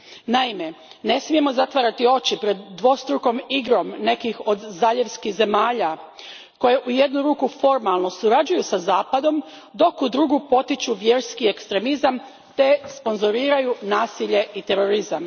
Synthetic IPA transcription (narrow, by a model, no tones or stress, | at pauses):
naime̞ | ne̞smije̞mo̞zat̪ʋaɾat̪io̞t͡ɕipɾe̞d̪ːʋo̞st̪ɾuko̞miɡɾo̞mne̞kixo̞d̪zaʎeʋskiɣze̞maːʎa | ko̞je̞ʔujed̪nuɾuːkufo̞ɾmalˠno̞suɾad͡ʒujusazaːpad̪o̞m | d̪o̞kud̪ɾuɡupo̞t̪it͡ɕuʋje̞ɾskiekst̪ɾe̞mizam | t̪e̞spo̞nzoɾiːɾajunaːsiʎe̞ʔit̪e̞ɾo̞ɾizam